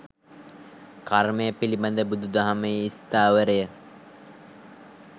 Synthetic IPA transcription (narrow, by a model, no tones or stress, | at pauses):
kaɾmejəpiliband̪əbud̪ud̪aɦameist̪aːʋəɾejə